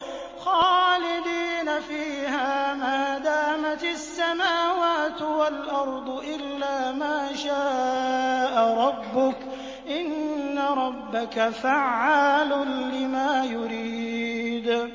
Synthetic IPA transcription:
xɑːlɪd̪iːnafiːhaːmaːd̪aːmat̪sːamaːwaːt̪walʔɑɾˤd̪ˤʔɪlːaːmaːʃaː | ʔaɾˤɑbːʊk | ʔɪnːaɾˤɑbːakafaʕːaːlʊnlɪmaːjʊɾiːd̪

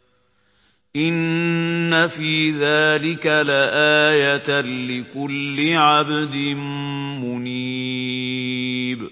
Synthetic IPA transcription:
ʔɪnː | afiːðaːlɪkalaʔaːjat̪lɪkʊlːɪʕabd̪ɪnmʊniː | b

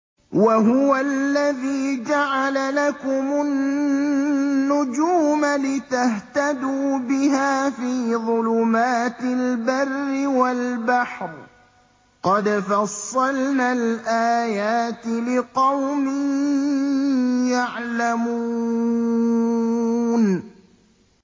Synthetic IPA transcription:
waɦʊwalːaðiːd͡ʒaʕalalakʊmʊn | ʊd͡ʒuːmalɪt̪aht̪ad̪uːbɪɦaːfiːðˤʊlʊmaːt̪ɪlbarːɪwalbaħɾ | qɑd̪fɑsˤːɑlnaːlʔaːjaːt̪lɪqɑwmɪn | jaʕlamuː | n

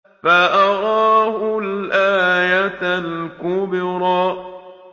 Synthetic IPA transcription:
faʔɑɾˤɑːhʊlʔaːjat̪alkʊbɪɾɑː

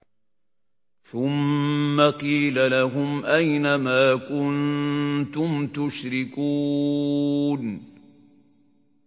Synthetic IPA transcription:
θʊmːaqiːlalaɦʊmʔajnamaːkʊnt̪ʊmt̪ʊʃɾɪkuː | n

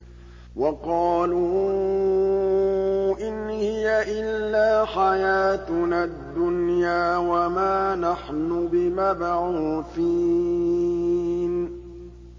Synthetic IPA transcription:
wɑqɑːlʊ | ʔɪnhɪjaʔɪlːaːħajaːt̪nad̪ːʊnjaːwamaːnaħnʊbɪmabaʕuːθiː | n

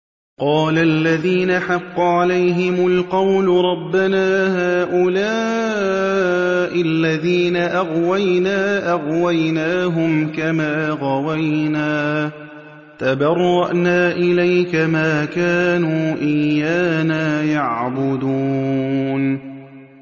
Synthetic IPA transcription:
qɑːlaʔlːaðiːnaħɑqːʊʕalajɦɪmʊlqɑwlʊɾˤɑbːanaːɦaːʔʊlaː | ʔɪlːaðiːnaʔaɣwajnaːʔaɣwajnaːɦʊmkamaːɣɑwajnaː | t̪abɑrˤːɑʔnaːʔɪlajkamaːkaːnuːʔɪjːaːnaːjaʕʕbʊd̪uːn

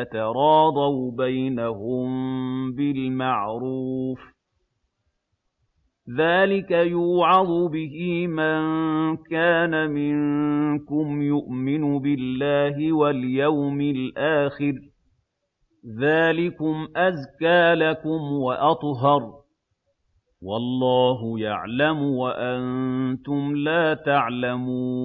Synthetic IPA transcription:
at̪ɑɾˤɑːd̪ˤɑwbajnaɦʊmbɪlmaʕɾuːf | ðaːlɪkajuːʕɑd̪ˤʊbɪhiːmaŋkaːnamɪŋkʊmjʊʔmɪnʊbɪlːaːɦɪwaljawmɪlʔaːxɪɾ | ðaːlɪkʊmʔazkaːlakʊmwaʔɑt̪ˤɦɑɾˤ | wɑlˤːɑːɦʊja̰ʕlamʊwaʔant̪ʊmlaːt̪aʕlamuː

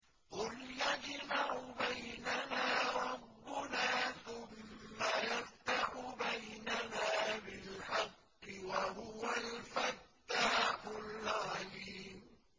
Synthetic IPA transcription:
ʔʊlːad͡ʒɪmaʊbajnanaːɾˤɑbːʊnaːθʊmːajaft̪aħʊbajnanaːbɪlħɑqːɪwaɦʊwalfat̪ːaːħʊlʕaliːm

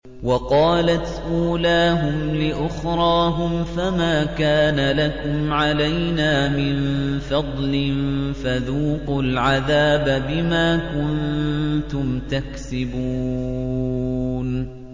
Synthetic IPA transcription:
wɑqɑːlat̪ʔuːlaːɦʊmlɪʔʊxɾˤɑːɦʊmfamaːkaːnalakʊmʕalajnaːmɪnfɑd̪ˤlɪnfaðuːqʊlʕaðaːbabɪmaːkʊnt̪ʊmt̪aksɪbuː | n

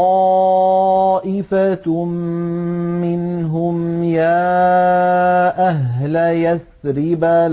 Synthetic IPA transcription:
ɑ | ʔɪfa | ɪnɦʊmjaː | ʔaɦlajaθ | ɾɪbal

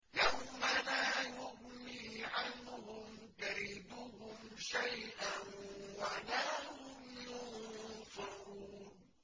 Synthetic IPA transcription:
jawmalaːjʊhmiːʕanːʊhʊm | kaɾid̪ʊhʊmʃajʔanwalaːhʊmjʊnfɪɾuːn

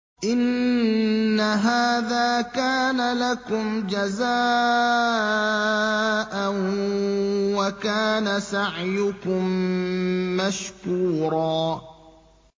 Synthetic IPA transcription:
ʔɪnː | aɦaːðaːkaːnalakʊmd͡ʒazaː | ʔan | wakaːnasaʕjʊkʊmː | aʃkuːɾˤɑː

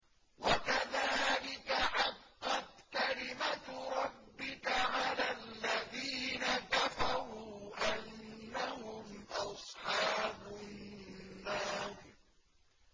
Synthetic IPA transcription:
wakaðaːlɪkaħɑqːɑt̪kalɪmat̪ɾˤɑbːɪkaʕalaːlːaðiːnakafaɾuːʔanːahʊmʔɑsˤħɑːbʊː | aːɾ

